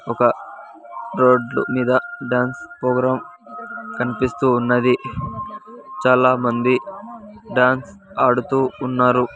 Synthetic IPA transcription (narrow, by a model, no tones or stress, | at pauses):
ɔkɐ | ɾoːɖlṵmiːd̪ɐɖaːnspɾoːɡɾaːm | kɐnipist̪uːnːɐd̪i | t͡ʃaːlaːmɐnd̪i | ɖaːns | ɐɽut̪uːnːaːɾu